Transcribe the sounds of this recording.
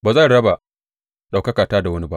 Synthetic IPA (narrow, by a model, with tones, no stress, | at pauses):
baː˨za˦˨ɽɐ˦ba˨ | ɗa˨wkɐ˦kaː˨taː˦da˨wɐ˦ni˦ba˦ʔ